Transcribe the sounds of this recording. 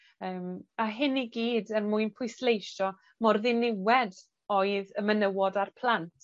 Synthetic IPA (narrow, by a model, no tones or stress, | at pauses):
əːmaɦɪniɡiːdənmʊɨnpʰʊɨslejʃɔ | mɔrðɪnɪwɛd | oɨðəmənəwɔdarpʰlˠantʰ